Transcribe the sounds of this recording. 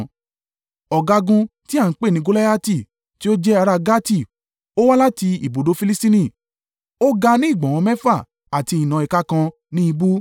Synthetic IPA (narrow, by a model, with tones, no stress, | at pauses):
ɔ˨ɡa˧ɡũ˧ti˦a˦˨n̩˦k͡pe˦˨nĩ˨˧ɡo˦la˦a˦ti˦˨ | ti˦o˦d͡ʒɛ˦a˧ɾa˧ɡa˦ti˦˨ | o˦wa˦la˦ti˧i˨bo˨do˨˦fi˧li˦stĩ˦nĩ˦˨ | o˦ɡa˧nĩ˦i˦˨ɡ͡bã˨w̃ɔ̃˧mɛ˦fa˦˨ | a˨ti˧i˨nã˨i˨ka˦kã˧ | nĩ˦i˧bu˦